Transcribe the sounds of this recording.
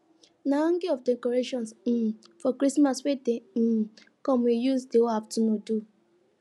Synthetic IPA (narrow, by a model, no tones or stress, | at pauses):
naɔ̃ŋɡiɔfdekɔɾeʃɔ̃ns̩fɔkɾismaswede | kɔ̃mwijusdeoaftunodu